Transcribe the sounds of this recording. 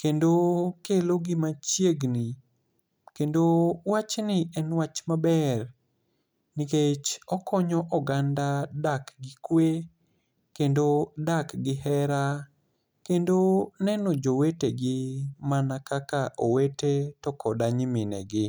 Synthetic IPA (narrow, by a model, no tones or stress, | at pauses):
kendokeloɡɪmat͡ʃjeɡni | kendowat͡ʃnɪɛnwat͡ʃmabɛr | niket͡ʃɔkʰɔɲɔʔɔɡandadakɡɪkwe | kendodakɡɪhɛɾa | kendonɛnɔd͡ʒoweteɡɪmanakakaʔowetetɔkʰɔdaɲimɪnɛ̰ɡɪ